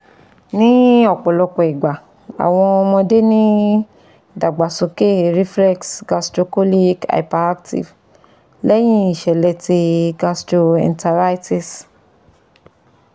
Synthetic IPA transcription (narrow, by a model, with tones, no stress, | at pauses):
nĩ˦ɔ˦˨k͡pɔ˨lɔ˨˧k͡pɔ˨i˨ɡ͡ba˨ | a̰˨w̃ɔ̃˧ɔ˧mɔ̃˧de˦nĩ˦ | da˨ɡ͡ba˨sõ˨ke˦˨ɾi˦flɛ˦ksɡa˧stɾo˧ko˦li˦ka̰˨i˨pa˨ɾa˦k̚tḭ˨v | lɛ˦j̃ĩ˦i˨ʃɛ˨lɛ˧ti˧ɡa˧stɾo˧ɛ̰̃˧nta˧ɾa˦jti˨s